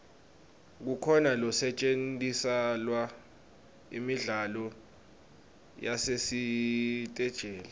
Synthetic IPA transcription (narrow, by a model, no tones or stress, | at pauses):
k̬ukʰɔnalɔsɛt͡ʃʼentʼisalwa | ḭmiɮalɔ | jasesitʼɛd̥ʒ̥ʱɛːla